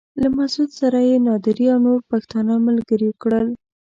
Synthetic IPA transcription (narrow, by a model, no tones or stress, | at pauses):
lamasud̪saɾajenɑd̪ɪɾiawnoɾpaxt̪ɑnɑmalɡəɾikɽəl